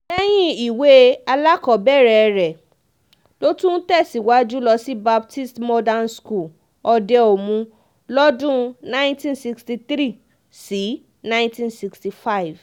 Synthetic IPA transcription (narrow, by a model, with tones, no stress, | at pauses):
ɛ˦j̃ĩ˧i˨we˦a˧la˦kɔ˨bɛ˦˨ɾɛ˨˧ɾɛ˨ | lo˦tũ˦tɛ˦˨si˨wa˨˦d͡ʒu˦lɔ˧si˦ba˧p̚ti˦stmɔ˦˧da˧nsku˦˨ | ɔ˧dɛ˧o˨mũ˧˦ | lɔ˦dũ˦nã˦ĩ˦tĩ˦nsi˧ksti˧tɾi˦˨ | si˨˦ | nã˦ĩ˦tĩ˦nsi˧ksti˧fa˦i˨v